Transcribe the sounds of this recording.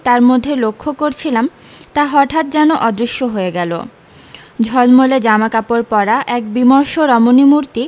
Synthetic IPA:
t̪aɾmod̪ʱːelokʰːokoɾt͡ɕʰilam | t̪aɦɔʈʰat̪̚d͡ʑɛnoʔɔd̪ɾiʃːoɦoeɡɛlo̰ | d͡ʑʱɔlmoled͡ʑamakapoɾpɔɾaʔɛk̚bimɔɾʃoɾɔmonimuɾt̪i

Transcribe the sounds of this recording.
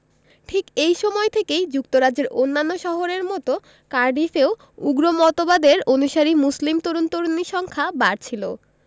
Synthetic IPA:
ʈʰikejʃɔmɔet̪ʰekejd͡ʑuk̚t̪oɾad͡ʑeɾʔonːanːoʃɔɦoɾeɾmɔt̪o | kaɾɖifeo | uɡɾomɔt̪obad̪eɾonuʃaɾimuslimt̪oɾunt̪oɾoniʃɔŋkʰabaɾt͡ɕʰilo̰

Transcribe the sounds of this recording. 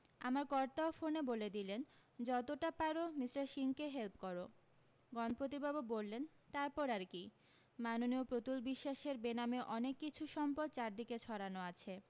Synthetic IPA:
a̰maɾkɔɾt̪aofoneboled̪ilen | d͡ʑɔt̪oʈapaɾomisɾaʃiŋkeɦelpkɔɾo | ɡɔnopɾot̪̬ibabobolːen | t̪aɾpɔɾaɾki | manoniopɾot̪ulbiʃːaʃeɾbenameʔɔnekːit͡ɕʰuʃɔmpod̪̚t͡ɕaɾd̪iket͡ɕʰɔɾanoat͡ɕʰe

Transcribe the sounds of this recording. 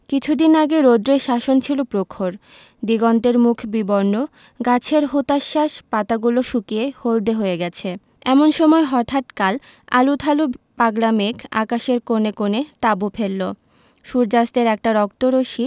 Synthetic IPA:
kit͡ɕʰud̪inaɡeɾod̪ɾeʃaʃont͡ɕʰilopɾokʰoɾ | d̪iɡɔnt̪eɾmukʰbibɔɾno | ɡat͡ɕʰeɾɦot̪aʃːaʃpat̪aɡuloʃukiehold̪eɦoeɡɛt͡ɕʰe | ɛmonʃɔmɔeɦɔt̪ʰaʈkal | a̰lut̪ʰalupaɡlamekʰa̰kaʃeɾkonekonet̪abupʰelːo | ʃuɾd͡ʑast̪eɾɛk̚ʈaɾɔkt̪oɾoʃi

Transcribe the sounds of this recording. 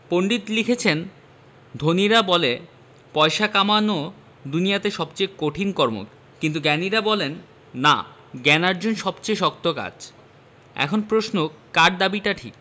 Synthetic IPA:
poɳɖit̪likʰet͡ɕʰen | d̪ʱoniɾabɔle | pɔeʃakamano | d̪unijat̪eʃɔbt͡ɕejkoʈʰinkɔɾmo̰k | kint̪̬uɡɛniɾabɔlenː | a̰ | ɡɛnaɾd͡ʑonʃɔbt͡ɕejʃɔk̚t̪oka̰d͡ʑ | ɛ̰kʰonpɾosnokaʈ̚d̪abiʈaʈʰḭk

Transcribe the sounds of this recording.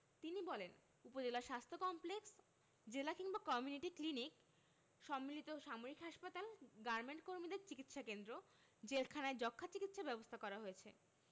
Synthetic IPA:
t̪inibɔlen | upod͡ʑelaɾʃast̪ʰokɔmpleks | d͡ʑelakiŋbakɔmjuniʈiklinik | ʃɔmːilit̪oʃamoɾikɦaʃpat̪alɡaɾmeɳʈkoɾmid̪eɾt͡ɕikit̪ʃakend̪ɾo | d͡ʑelkʰanaed͡ʑɔkʰːat͡ɕikit̪ʃabɛbost̪ʰakɔɾaɦojet͡ɕʰe

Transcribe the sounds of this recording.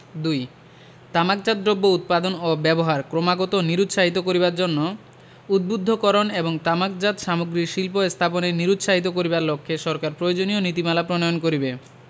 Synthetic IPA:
d̪uj | t̪amak̚d͡ʑad̪̚ɾobːout̪̚pad̪onobɛboɦaɾkɾomaɡot̪oniɾut̪ʃaɦit̪okoɾiβaɾd͡ʑonːo | ud̪̚bud̪ʱːokɔɾoneboŋt̪amak̚d͡ʑat̪ʃamoɡɾiʃilpoest̪ʰaponeniɾut̪ʃaɦit̪okoɾibaɾlokʰːeʃɔɾkaɾpɾojod͡ʑonionit̪imalapɾonojonkoɾibe

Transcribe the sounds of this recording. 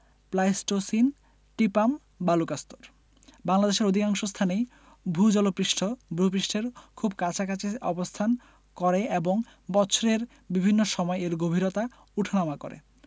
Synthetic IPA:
plajsʈosin | ʈipam | balukast̪oɾ | baŋlad̪eʃeɾod̪ʱikaŋʃost̪ʰanej | bʱud͡ʑɔlopɾiʃʈʰobʱɾup̬ɾiʃʈʰeɾkʰubkat͡ɕʰakat͡ɕeʔɔ̰bost̪ʰan | kɔɾeeboŋbɔt͡ɕʰoɾeɾ | bibʱinːoʃɔmɔeeɾɡobʱiɾot̪a | uʈʰanamako̰ɾḛ

